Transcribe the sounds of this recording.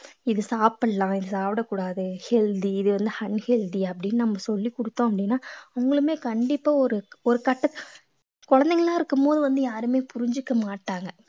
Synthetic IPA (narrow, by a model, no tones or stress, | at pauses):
ɪðɯsaːpɯɽlãːɪðɯsaːpɪɽɐkːuːɽaːðɯhɛld̪iɪðɯʋɐnd̪ɯhɐɳhɛld̪iɐpːɐɽɪnːɯnɐmːɐsɔlːikɔɽɯt̪ːõːɐp̬ːɐɽɪnːaːʊɐŋɡɐɭɯmeːkɐɳɖɪpːaːɔɾɯɔɾɯkɐʈːɐ | kɔɻɐnd̪ɛŋɐɭaːɪɾɯkːɯmpoːðɯʋɐnd̪ɯjaːɾɯmeːpʊɾɪɲd͡ʒɯkːɐmaːʈːaːŋɡɐ